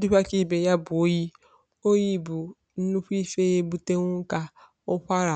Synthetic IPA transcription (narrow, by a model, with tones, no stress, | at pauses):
dʊ˦kʷa˦ki˦˨be˨ja˦bʊ˨o˦ji˦ | o˦ji˦˨bu˨ | n̩˦nu˦kʷi˦fe˦je˦bu˦te˦ŋ̩ʷ˦ka˦ | ʊ˦kʷa˦ɾa˨